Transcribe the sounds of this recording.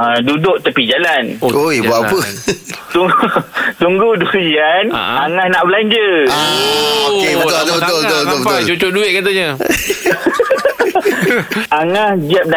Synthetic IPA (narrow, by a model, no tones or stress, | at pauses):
adudʊʔt̪əpid͡ʒalanojbuaʔapət̪u | t̪uŋɡudukijanaŋahnaʔbəlaɲd͡ʒə | oeəolt̪obət̪olbət̪olbət̪obət̪ʊt͡ʃut͡ʃʊʔduɪʔ̚kat̪aɲə | aŋahɡiap̚na